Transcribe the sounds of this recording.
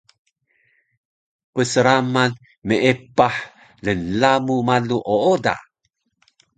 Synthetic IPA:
pəsəɾaman | məepaħ | lənlamumaluʔooda̰

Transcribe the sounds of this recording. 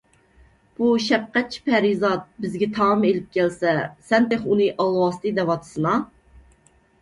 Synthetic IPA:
b̥uʃɛp̚qːɛt̪̚t͡ʃʰi̥pʰæɾizɑt̪̚bɪzɡʲɛt̪ʰɑʁɨmelɪp̚kʲɛlsɛsɛnt̪eχunɨʔɑlˠwɑːst̪ʰɨd̪ɛvɑt̪ʰɨ̥sɨnɑ

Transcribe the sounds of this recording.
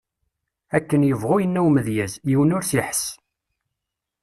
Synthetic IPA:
ækːənjəvʁʊjənːæwməðjæzjiwənʊɾsiħs

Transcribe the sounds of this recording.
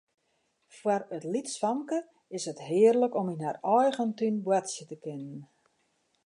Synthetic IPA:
fwarətlitsfɔŋkə | ɪsətɦɪərləkɔminɦarɔjɣəntynbwatsjətəkɪnən

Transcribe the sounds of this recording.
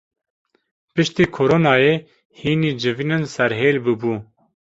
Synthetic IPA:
pɨʃt̪iːkʰoɾoːnɑːjeː | hiːniːd͡ʒɨvinɨnsɛɾɦeːlbɨbuː

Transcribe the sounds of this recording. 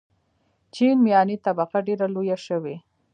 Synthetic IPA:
t͡ʃinmijɑnit̪abaqaɖeɾalojaʃəwe

